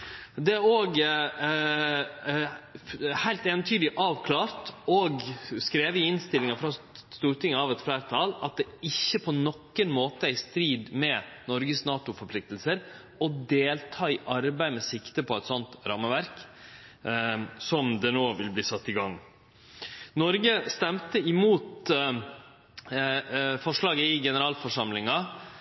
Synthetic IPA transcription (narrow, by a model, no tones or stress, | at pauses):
d̪ɛæɾoːɡ | hæɪlt̪eʋənt̪ʰyːd̪lɪʔɑːʋkʰlɑːɾt̪ɔɡskɾeːʋəɪɪnst̪ɪlːɪŋɑfɾɑ | st̪uːɾʈɪŋːəɑʋɛt̪flæːɾt̪ʰɑːlɑt̪̚d̪ɛɪçːəpʰɔnɔkːənmoːt̪əæɪst̪ɾiːd̪mɛnɔɾɡəsnɑːt̪ʊfɔɾpʰlɪk̚t̪əlsəɾ | ɔd̪eːlt̪ʰɑːɪʔɑɾbæɪmɛsɪkt̪əpʰɔɛt̪sɔnt̪ɾɑmːəʋæɾk | sɔmd̪ɛnoːʋɪlbliːsɑt̪ːɪɡɑŋː | nɔɾɡəst̪ɛmt̪əɪmuːt̪ | fɔʂɭɑːɡəɪɡɛnəɾɑːlfɔʂɑmlɪŋɑ